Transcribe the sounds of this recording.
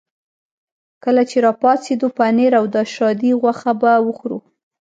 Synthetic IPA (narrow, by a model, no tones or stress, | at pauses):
kəlat͡ʃeɾɑpɑt͡sed̪upaneɾawd̪ɑʃɑd̪iɣwaxabawəxɾṵ